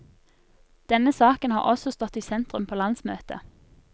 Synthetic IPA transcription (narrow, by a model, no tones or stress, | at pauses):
d̪̥ɛnəsɑːkənhɑ̰ːʁʔɔsɔst̪ɔt̪iːsɛnt̪ʁʉmpʰoːlɑnsmøːt̪ə̰